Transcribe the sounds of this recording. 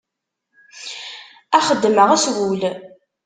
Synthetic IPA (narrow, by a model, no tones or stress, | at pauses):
æχəd̪ːməʁæswul